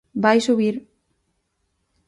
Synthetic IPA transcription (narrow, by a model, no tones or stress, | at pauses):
bajsuβiɾ